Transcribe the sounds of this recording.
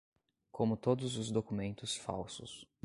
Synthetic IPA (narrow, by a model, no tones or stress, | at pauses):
kʰõmʊt̪od̪ʊzʊzd̪okumẽnt̪ʊsfa̰wsʊs